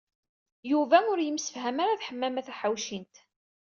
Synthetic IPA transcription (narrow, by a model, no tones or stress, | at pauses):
juvæʊɾjəmsə̥fhæmaɾaθħəmːæmæθæħawʃint̪